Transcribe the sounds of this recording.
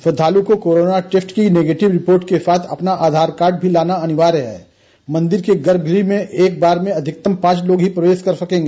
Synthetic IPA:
fɐd̪ʱaːlukokoːɾoːnaʈɪfʈkineːɡeːʈɪʋɾɪpoːɾʈkesaːt̪ʰɐ̰pnaʔaːd̪ʱaːɾkaːɾɖ̚bʱilaːnaɐnɪʋaːɾɦɛ̰ː | mɐ̃nd̪ɪɾkeɡɐɾb̚ɡɾimẽʔeːk̚baːɾmẽɐd̪ʱɪk̚t̪əmpãːt͡ʃloːɡɦipɾɐʋeːskɐɾsɐkẽːŋɡeː

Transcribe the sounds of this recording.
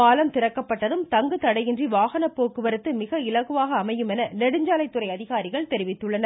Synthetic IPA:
aːlɐmt̪ɪɾɐkːɐpːɐʈːɐðɯmt̪ɐŋɡɯt̪ɐɽɐjɪndriʋaːɣɐnɐpːoːkɯʋɐɾɯt̪ːɯmɪɣɐɪlɐɣɯʋaːɣɐːmɐjɯmɛnɐlɛɽɯɲd͡ʒaːlɐɪt̪ːɯɾɐɪɐðɪɣaːɾɪɣɐɭt̪ɛɾɪʋɪt̪ːɯɭːɐnɐ

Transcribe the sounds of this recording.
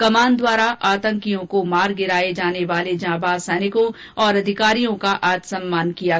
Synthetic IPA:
kɐmaːnd̪waːɾaʔaːt̪ə̃ŋkijõkomaːɾɡɪɾaːed͡ʒaːneʋaːled͡ʒãːbaːsɛːnɪkõ | ɔːɾɐd̪ʱɪkaːɾijõkaʔaːd͡ʒ̪sɐ̃mːaːnkija

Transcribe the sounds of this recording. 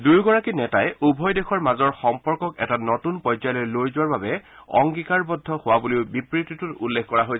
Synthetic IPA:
dujɡɔɹakinɛtajubʱɔjdexʰɔɹmazɔɹxɔmpɔɹkɔkɛtanɔtunpɔzajlɔjlojzʊwaɹbabɛɔ̰ŋɡikaɹbɔdʱːɔhʊwaboliʊbipɹititutulːekʰkɔɹaɦoj

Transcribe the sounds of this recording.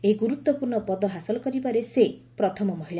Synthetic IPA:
eɡuɾut̪wɔpuɾɳɔpɔd̪ɔɦasɔlɔkɔɾibaɾesepɾɔt̪ʰɔmɔmɔɦiɭa

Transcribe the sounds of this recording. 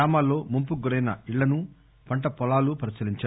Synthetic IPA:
aːmaːlːo̞ːmumpuɡuɾɐjnɐiɭːɐnu | pɐɳʈɐpɔlaːlupɐɾisɐliɲt͡ʃa

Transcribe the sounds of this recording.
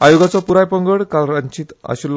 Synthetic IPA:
ajoɡat͡sɔpuɾajpəŋɡəɽkalɾaɲt͡ɕiːt̪a̰ɕul

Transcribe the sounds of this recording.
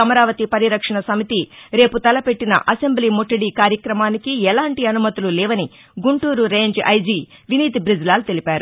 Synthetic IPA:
ɐmɐɾaːʋɐt̪ipɐɾiɾɐkʂɐɳɐsɐmit̪iɾe̞ːput̪ɐlɐpe̞ʈːinɐ̰ʔɐse̞mbliːmoʈːɐɽiːkaːɾjɐkɾɐmaːnikiɛlaːɳʈiɐnumɐt̪ululɛːʋɐni | ɡuɳʈuːɾuɾeːɲd͡ʒɐ̰jd͡ʒiːʋiniːt̪ibɾid͡ʒlaːlut̪e̞lipaːɾu

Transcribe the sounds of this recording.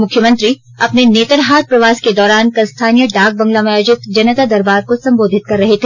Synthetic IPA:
mʊkʰjəmɐ̃nt̪ɾi | ɐpneneːt̪əɾɦaːt̪̚pɾɐʋaːsked̪ɔːɾaːnkɐlst̪ʰaːnijəɖaːk̚bɐ̃ŋɡlamẽɐd͡ʒɪt̪d͡ʒɐnət̪ad̪ɐɾbaːɾkosɐ̃mboːd̪ʱɪt̪̚kɐɾːɐɦet̪ʰe

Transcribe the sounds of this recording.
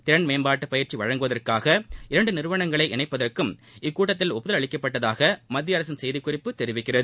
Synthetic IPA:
t̪ɪɾɐnmeːnbaːʈːɯpɐjɪɾt͡ʃiʋɐɻɐŋɡɯʋɐðɐrkaːɣɐɪɾɐɳɖɯnɪɾɯʋɐɳɐŋɡɐɭɐɪʔɛnɐɪpːɐðɐrkɯmɪkːuːʈːɐt̪̬ːɪlɔpːʊðɐlɐɭɪkːɐpːɐʈːɐðaːɣɐmɐd̪ːɪjaːɾɐs̬ɐnsɛjðɪkːʊrɪpːɯt̪ɛɾɪʋɪkːɪrɐðɯ

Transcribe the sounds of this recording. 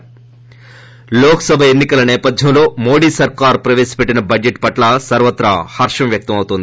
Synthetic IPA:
loːkɐ̥sɐbʱɐenːikɐlɐnɛːpɐd̪ʱjɐmlo̞ːmoːɽiːsɐɾkaːɾpɾɐʋeːsi̥peʈːinɐbɐd͡ʒeʈpɐʈlɐsɐɾʋɐt̪ːɾɐ̰hɐɾʂɐmʋjɐk̚t̪ɐmɐwut̪ond̪i

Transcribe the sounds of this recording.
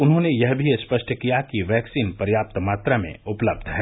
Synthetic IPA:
ʊnɦõnejɐɦbʱiespɐʃʈʰkijakiʋɛːksiːnpəɾjaːp̚t̪maːt̪ɾamḛ̃ʊpləb̚d̪ʱɦɛː

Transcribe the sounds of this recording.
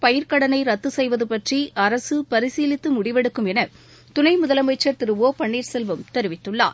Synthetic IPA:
pɐjɪɾkɐɽɐnɐɪɾɐt̪ːɯsɛjʋɐðɯpɐʈriʔɐɾɐsɯpɐɾɪsiːlɪt̪ːɯmʊɽɪʋɛɽɯkːɯmɛnɐ | t̪ʊnɐɪmʊðɐlɐmɐɪt͡ʃːɐɾt̪ɪɾɯʋoːpɐɳːiːɾsɛlʋɯmt̪ɛɾɯʋɪt̪ːɯɭːa̰ːɾ

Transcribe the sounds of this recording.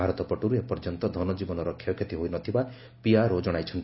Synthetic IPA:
aɾɔt̪ɔpɔʈuɾuepɔɾd͡ʒɔnt̪ɔd̪ʱɔnɔd͡ʒibɔnɔɾɔkʰːjɔkʰet̪iɦojnɔt̪ʰiba | piaɾod͡ʒɔɽ̃ajt͡ʃʰɔnt̪

